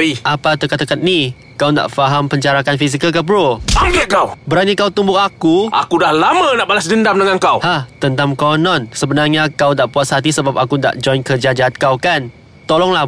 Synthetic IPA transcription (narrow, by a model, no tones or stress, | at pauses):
iʔapat̪əkat̪əkat̪̚ni | kawnda̰ʔfaɦampəɲd͡ʒaɾakanfis̬ikəlk̬əpəɾoaɡəʔkawbəɾanikawt̪umbʊʔakuʔa̰kudahlamãnaʔbalas̬dəndamdəŋankawhaht̪ənt̪amkɔwnɔ̃nsəbənarɲakawdaʔbuatshat̪̬isəbap̚akunda̰ʔd͡ʒɔjnkərd͡ʒad͡ʒat̪̚kawkan | t̪olɔŋla